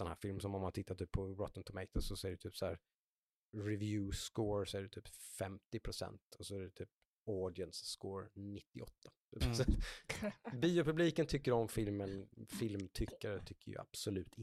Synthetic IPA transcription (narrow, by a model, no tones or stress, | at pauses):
sɔnhæ̰ːɾfɪlmsɔmɔmːant̪ʰɪt̪ːat̪yːpʰːɔɾɔt̪ːənt̪ʰɔmɛɪt̪ʰɔsɔsɔæɖɵt̪ʰyːpsɔæːɾ | ɾɛvjʉ̟ːskoːɾsɔæɖʉt̪ʰyːpfɛmt̪ɪpʰɾʊsɛ̰nt̪ɔsɔæɖɛt̪ʰyːp̚ | ɔɖɪənsːkoːɾnɪt̪ːɪʔɔ̰t̪ʰːat̪ːpsɔ | biːʊpɵbliːkənt̪ʰʏkːəɾɔmfɪlmənfɪlmt̪ʰʏkːaɾət̪ʰʏkːəjɵ̰a̰b̥sɔlʉ̟ːt̪ɪ